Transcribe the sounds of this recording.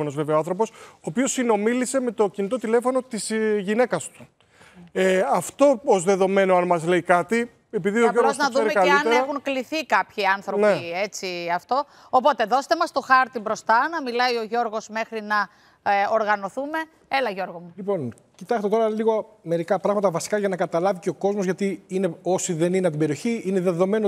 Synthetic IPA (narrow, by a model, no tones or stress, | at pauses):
onozve̞veoɐnθɾo̞po̞soːpio̞sino̞milise̞me̞t̪o̞cinit̪o̞t̪ile̞fo̞no̞t̪isʝine̞kɐst̪u̥ | eɐft̪o̞ozðe̞ðo̞me̞noɐnmɐzle̞ikɐt̪i | e̞piðioʝoɾɣoznɐððueekɐlɐneeɐxuŋkliθikɐpçiɐnθɾoneet͡siɐft̪o̞ː | po̞t̪e̞ðo̞se̥t̪e̞mɐst̪o̞xɐɾt̪ibɾo̞st̪ɐnɐmilɐio̞ʝo̞ɾɣo̞zme̞xɾinɐ | oɾɣɐno̞θume̞ | elɐʝo̞ɾɣomulipo̞n | cit̪ɐst̪e̞t̪o̞ɾɐliɣo | me̞ɾikɐpɾɐɣmɐt̪ɐvɐsi̥kɐʝɐnɐkɐt̪ɐlɐviceoko̞zmozʝɐt̪iineo̞siðe̞nineɐt̪ibeɾio̞çiineðe̞ðo̞me̞no